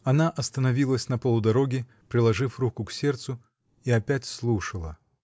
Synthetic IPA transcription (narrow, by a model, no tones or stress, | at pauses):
ɐnaʔɐst̪ənɐvʲilˠəsʲnɐpəlˠʊd̪ɐɾo̞ɡʲɪ | pɾʲɪlˠɐʐɨfrukʊksʲe̞rt̪sʊ | iɐpʲætʲslˠuʂəlˠə